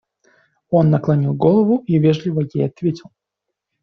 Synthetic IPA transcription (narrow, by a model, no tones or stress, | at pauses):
o̞nːɐklˠɐnʲilˠɡolˠəvʊivʲeʐlʲɪvəjejɐt̪vʲetʲɪlˠ